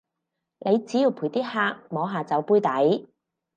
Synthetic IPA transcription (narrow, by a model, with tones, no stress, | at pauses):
lʔe˨˧jt͡siː˨˥ji˨˧wpʰuː˨˩jt̪iː˥haː˥k̚mɔː˨˧ɦaː˨t͡sɐ˨˧wpuː˥jt̪ɐ˨˥j